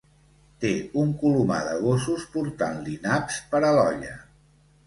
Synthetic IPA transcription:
t̪euŋkuluma̰ðəɣ̞osuspuɾt̪anlinapspəɾəlɔʎə

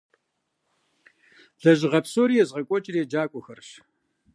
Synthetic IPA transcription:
ɮ̥ɐʑɪʁɐpsoːɾijɛzʁɐkʷʼɔt͡ʃʼɪreːd͡ʒaːkʷʼɔxɐrɕ

